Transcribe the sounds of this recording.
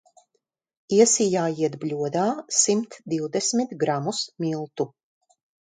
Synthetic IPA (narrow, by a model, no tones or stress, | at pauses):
iɛsijaːjiɛd̪blʲuɔd̪aːsimt̪d̪iwd̪ɛsmit̪ɡɾamusmʲilˠt̪u